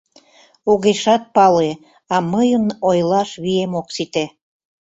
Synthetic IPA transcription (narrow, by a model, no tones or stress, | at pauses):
oɣeʃɑt̪̚pɑle | ɑməjənojlɑʃβiemoksit̪e